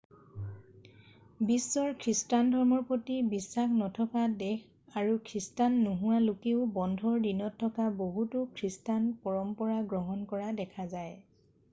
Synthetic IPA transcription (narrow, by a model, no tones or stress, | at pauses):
bisːɔɹkʰɹistandʱɔɹmɔɹpotibisːaxnɔtʰɔkadɛx | aɹukʰɹistanːuɦʊwalukeʊbɔndʱɔɹdinɔtʰːɔkaboɦutukʰɹistanpɔɹɔmpɔɹaɡɹɔɦɔnkɔɹadɛkʰazaj